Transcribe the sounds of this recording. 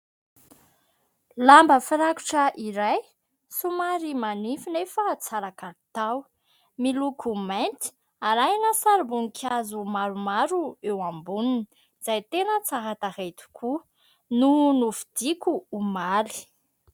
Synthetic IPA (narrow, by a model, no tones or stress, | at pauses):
lambəfiɾaku̥ʈ͡ʂəʔiɾaj | sumaɾimanifinefət͡saɾakaɾt̪aw | milukʰumant̪i̥ | aɾajnəsaɾbunikʰazumaɾumaɾuewambunini | z̥ajt̪enət͡saɦat̪ahet̪u̥kʰu | nunufid̪̥ikuːmali̥